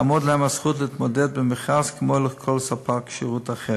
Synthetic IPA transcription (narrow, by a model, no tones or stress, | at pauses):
amɔdlhɛmasχutlɪtmɔdɛt̚bɪmɪχaskʰəmɔɪləχkʰɔlˠsapʰakʃiʁuːtaχɛ